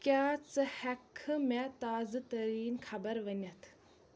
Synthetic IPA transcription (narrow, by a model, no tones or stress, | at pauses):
kʲaːt͡sɨhɐkʰɨmet̪aːzat̪ɐɾiːnkʰɐbɐɾʋənʲɐt̪ʰ